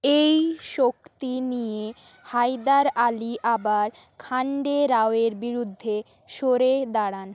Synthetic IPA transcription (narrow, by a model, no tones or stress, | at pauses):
ejʃokt̪inije | hajd̪aɾaliʔabaɾ | kʰaɳɖeɾaoeɾbiɾud̪ʱːe | ʃoɾed̪aɽan